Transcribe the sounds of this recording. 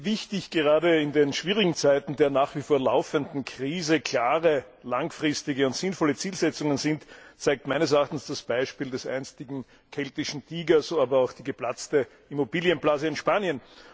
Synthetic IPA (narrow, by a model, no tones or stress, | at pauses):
vɪçtɪçɡ̥əʁ̞aːdəɪndenʃv̥iːʁɪɡŋ̩t͡sæɪtn̩deːɐnaːχv̥ifoːɐla̰ʊfəndn̩kʁ̥iːzəkʰlaːʁə | laŋfʁɪstɪɡəʊntz̥ɪnfɔlət͡siːlzɛt͡sʊŋənzɪntt͡sæɪk̚tmæɪnəsɛɐaχtn̩sd̥asb̥æɪʃpiːldɛsʔæ̰ɪnstɪɡŋ̩ | kʰɛltɪʃn̩tʰiːɡɐsoaːbɐaʊxd̥iːɡəplat͡stə | imobiːljənplaːzəɪnʃpaːnjən